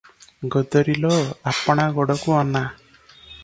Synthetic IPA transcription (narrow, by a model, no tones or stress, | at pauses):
ɡɔd̪ɔɾilɔapɔɽ̃aɡɔɽɔkuɔna